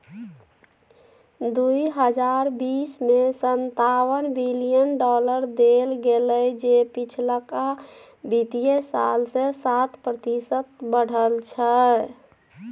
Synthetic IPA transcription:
d̪uiɦəd͡ʒaɾbismesənt̪awənbilijənɖɔləɾd̪elɡeləjd͡ʒepit͡ʃʰlaka | bit̪ijesa̰lsesat̪ʰpɾət̪isət̪bəɽ̤əlt͡ʃʰə

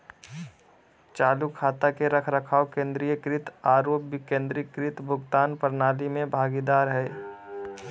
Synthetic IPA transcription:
t͡ʃaːlukʰːaːt̪akeɾəkʰɾəkʰaːokẽːnd̪ɾijəkɾɪt̪aːɾoːpːkẽːnd̪ɾɪkɾɪt̪bʱʊɡt̪aːnpəɾnaːlimẽbʱaːɡid̪aːɾɦɛː

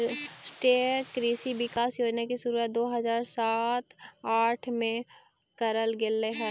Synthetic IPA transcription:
sʈeːkɾiːsiʋɪkaːsjoːd͡ʒnakisuɾuəd̪oːɦɐzaːɾsaːt̪aːʈʰmẽ | kəɾəlɡɪlːeɦɛ̃

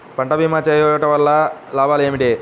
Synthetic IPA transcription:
pɐɳʈɐbiːmat͡ʃeːjoʈɐʋɐlːɐlaːbaːleːmiʈeː

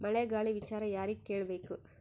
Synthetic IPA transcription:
mɐɭeɡaːɭiʋit͡ʃaːɾɐjaːɾikːeːɭɐbe̞ːku

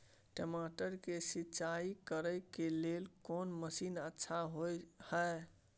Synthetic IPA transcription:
ʈemaʈəɾkesitːt͡ʃaikəɾəjkelelkonməsinətːʃʰaɦojhəe

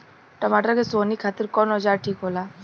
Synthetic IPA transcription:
ʈəmaːʈəɾkesoːnikʰaːt̪ɪɾkɔːnɔd͡ʒaːɾʈʰiːkɦoːlaː

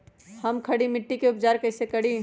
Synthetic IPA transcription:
hɐmkʰɐɽimɪʈːikeʊpd͡ʒaːɾkɐɪsekɐɽi

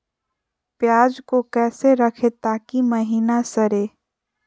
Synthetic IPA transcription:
pjaːd͡ʒkokɛːseɾəkʰet̪aːkiməɦiːnasəɾeː

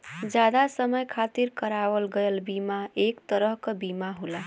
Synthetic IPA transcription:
d͡ʒjad̪asəməjkʰat̪iɾkəɾaʋəlɡəjlbimaekt̪əɾəɦkəbimaɦula

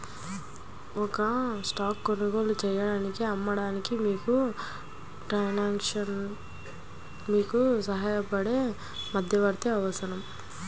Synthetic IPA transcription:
ɔkɐsʈaːkːonuɡoːlut͡ʃɛjːɐɽaːnikiɐmːɐɽaːnikimiːku | ʈɐjnaːkʂɐn | miːkusɐɦaːjɐpɐɽe̞ | mɐd̪ʱjɐʋɐɾt̪iɐʋɐsɐnɐm

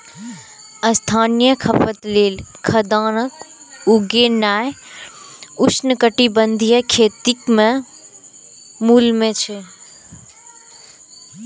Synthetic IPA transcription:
ɐ̃st̪ʰaːnijəkʰɐpət̪leːlkʰɐd̪aːɽ̃ək | ʊɡenaːɦ | ʊsnkəʈibənd̪ʱijəkʰeːt̪ɪkmẽ | muːlmẽt͡ɕʰe

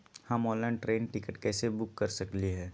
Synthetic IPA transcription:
hɐmɔːləɳʈɾeːnʈɪkəʈkɛːsebʊkːɐɾsɐkliɦɛː

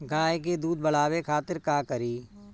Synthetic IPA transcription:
ɡaːek̬ed̪uːd̪̚bəl̤aːwekʰaːt̪ɪɾkaːkəɾiː

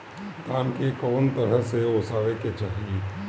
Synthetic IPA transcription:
kaːmkekɔːnt̪əɾəɦseosaːʋeket͡ʃaːɦie

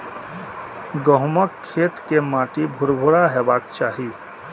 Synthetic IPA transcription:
ɡəɦməkʰːeːt̪kemaːʈibʱʊɾbʱʊɽaɦɛːbaːkt͡ʃaːɦi

